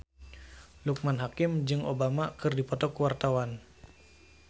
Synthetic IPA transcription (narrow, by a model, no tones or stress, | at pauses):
luk̚manɦakɪmd͡ʒɨŋobamakɨrdipɔt̪ɔkuwart̪awan